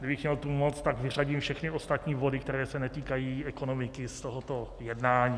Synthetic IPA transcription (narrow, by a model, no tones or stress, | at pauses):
ɡdɪbɪxmɲɛlt̪umot͡st̪aɡvɪraɟiːmfʃɛxnɪost̪at̪ɲiːvo̞dɪkt̪ɛɾɛːsɛnɛt̪iːkajiːɛkonomɪkɪst̪oɦot̪ojɛdnaːɲiː